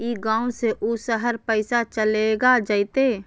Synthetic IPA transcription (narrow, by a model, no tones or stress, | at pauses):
iːɡãːũseʔusəɦəɾpəɪsat͡ʃəleɡad͡ʒaːɪt̪eː